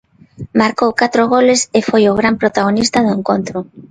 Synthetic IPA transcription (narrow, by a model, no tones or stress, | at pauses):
maɾkowkat̪ɾoɣ̞olɪsɪfojoɣɾampɾot̪aɣ̞onist̪aðʊeŋkont̪ɾʊ